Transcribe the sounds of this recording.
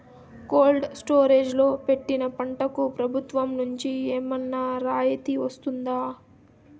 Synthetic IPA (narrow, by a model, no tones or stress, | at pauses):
koːlɖsʈo̞ːɾeːd͡ʒlo̞ːpe̞ʈːinɐpɐɳʈɐkupɾɐbʱut̪ʋɐmnuɲt͡ʃieːmɐnːaɾaːjɐt̪iʋɐst̪und̪aː